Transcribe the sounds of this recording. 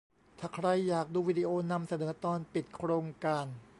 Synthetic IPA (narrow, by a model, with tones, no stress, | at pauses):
t̪ʰaː˧˩kʰɾa˧jːaː˨˩k̚duː˧wiː˦˧˩di˧ʔoː˧na˧msa˧nɤː˩˦t̪ɔː˧npi˨˩t̪̚kʰɾoː˧ŋkaː˧n